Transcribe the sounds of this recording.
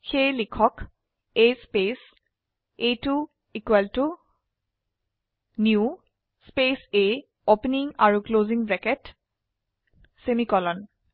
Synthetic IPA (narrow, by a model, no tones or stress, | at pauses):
xejlikʰɔk | ejspes | ejtu | ikwaltu | nju | spese | opniŋaɹukloziŋbɛkɛt | semikɔlɔn